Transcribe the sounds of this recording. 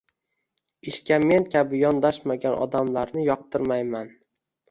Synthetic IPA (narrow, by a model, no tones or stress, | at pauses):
ɪʃkʲame̞nkʲʰabɪjɒnd̪aʃmaɡʲanʔɒ̰d̪amlaɾnɪjɒqt̪ɪɾmajman